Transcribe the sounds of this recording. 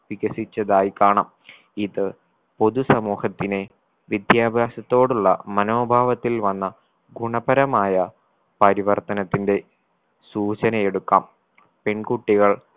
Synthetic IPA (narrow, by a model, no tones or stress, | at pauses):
ʋiɣɐsit͡ɕːɐðaːjikaːɳɐm | iðɨ | po̞ðusɐmuːhɐt̪ːine | ʋjid̪jaːbʱjaːsɐt̪ːo̞ːɽuɭːɐ̰mɐno̞ːbʱaːʋɐt̪ːilʋɐnːɐ | ɡuɳɐbɐɾɐmaːjɐ | pɐɾiʋɐrt̪ɐnɐt̪ːinde̞ | suːt͡ɕɐnɐjeɽukːa̰ːm | pe̞ɳɡuʈːiɣɐɭ